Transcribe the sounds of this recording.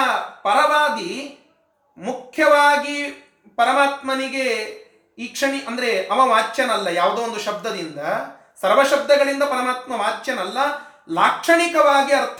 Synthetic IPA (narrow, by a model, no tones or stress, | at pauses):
pɐɾɐʋaːɡi | mukʰjɐʋaːɡi | pɐɾɐmaːt̪mɐniɡe | iːkʂɐɳiʔɐnd̪ɐɾe̞ɐmɐʋaːt͡ʃːjɐnɐlːɐjaːʋd̪oːond̪uʃɐb̚d̪ʱɐd̪ind̪ɐ | sɐɾʋɐʃɐb̚d̪ɐɡɐɭind̪ɐpɐɾɐmaːt̪mɐʋaːt͡ʃːjɐnɐlːɐ | laːkʂɐɳikɐʋaːɡiɐɾt̪ʰ